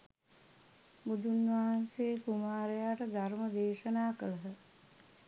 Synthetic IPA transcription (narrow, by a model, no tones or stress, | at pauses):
bud̪unʋaɦanseːkumaːɾejaːʈəd̪aɾməd̪eːʃənaːkələɦə